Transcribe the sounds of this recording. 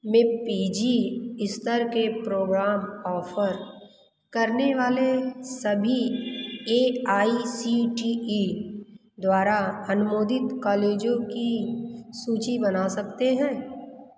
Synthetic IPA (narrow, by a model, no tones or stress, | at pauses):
mẽpiːd͡ʒiɪst̪əɾkepɾoːɡɾaːmɔːfʰəɾ | kɐɾneʋaːlesɐbʱi | eːaːisiʈii | d̪waːɾaɐnʊmoːd̪ɪt̪kɔːleːd͡ʒõkisuːt͡ʃibɐnasɐk̚t̪eɦɛ̃ː